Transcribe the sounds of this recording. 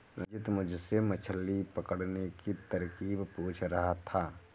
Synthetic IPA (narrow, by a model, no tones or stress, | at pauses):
ɾɪd͡ʒɪt̪mʊd͡ʒʱsemət͡ʃʰəlːipəkəɽnekit̪ɐɾkiːbpuːt͡ʃʰɾɐɦat̪ʰaː